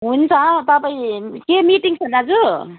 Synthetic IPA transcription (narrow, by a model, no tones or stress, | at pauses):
ɦunt͡sat̪ʌpaĩkemiʈiŋsʌnad͡zu